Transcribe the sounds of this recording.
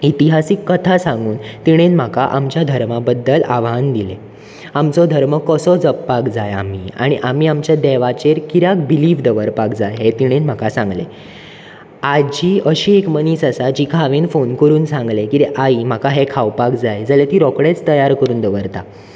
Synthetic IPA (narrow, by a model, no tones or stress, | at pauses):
it̪iɦasiːkːət̪ʰasãŋɡuːnt̪iɽ̃enm̤akaʔamt͡ɕjad̪ʱəɾmabəd̪ːəlaʋɦand̪ile | amt͡sɔd̪ʱəɾməkɔsɔd͡zəpːakd͡zaja̰m̤iːa̰ɽ̃iʔamiːamt͡ɕjad̪ɛʋat͡ɕeɾkiɾjak̚biliːʋd̪əʋəɾpakd͡zajɦet̪iɽ̃enm̤akasãŋɡlḛ | ad͡ʑiːəɕiːekməniːsasad͡ʑiːkʰaʋenfonkəɾuːnsãŋɡlekiɾeʔaim̤akaɦekʰawpakd͡zajd͡zalet̪iːɾɔkɽet͡st̪əjaɾkəɾuːnd̪əʋəɾt̪a